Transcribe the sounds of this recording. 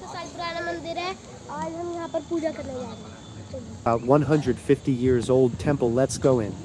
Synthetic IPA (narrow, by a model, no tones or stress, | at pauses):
əsaːlpʊɾaːnamənd̪ɪɾɦɛː | aːd͡ʒɦɐmjɐɦãːpəɾpuːd͡ʒakəɾned͡ʒaːɾe | ibaʊt̚wʌ̃nɦʌ̃ndɹɨd̥fɪftijɪɹzoʊlˠd̚tʰɛ̃mpl̩ˠlɛtsɡ̥oʊɪ̃n